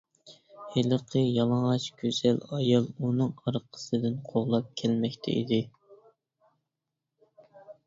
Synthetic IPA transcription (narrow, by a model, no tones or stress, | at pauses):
heləqʰəjɑlˠɑɴʁɑt͡ʃɡʲøz̥ɛlɑjɑlˠunɨŋɑɾqʰə̥sɨd̪ɨnqʰoʁlˠɑp̚kʲʰɛlmɛkʲt̪ʰɛ̰ʔḭd̪ɪ